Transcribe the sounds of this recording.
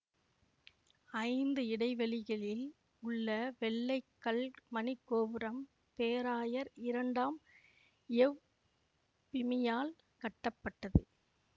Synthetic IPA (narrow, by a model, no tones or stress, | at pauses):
ɐɪnd̪ɯɪɽɐɪʋɐɭɪɣɐɭɪl | ʊɭːɐʋɛɭːɐɪkːɐɭmɐnɪkːoːʋɯɾɐm | peːɾaːjɐɾɪɾɐɳɖaːm | ɛʋ | pɪmɪjaːl | kɐʈːɐpːɐʈːɐðɯ̰